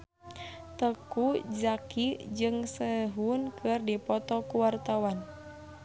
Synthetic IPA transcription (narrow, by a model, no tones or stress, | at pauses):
t̪əkud͡ʒakid͡ʒɨŋsəɦunkʰɨrdipɔt̪ɔkuwart̪awan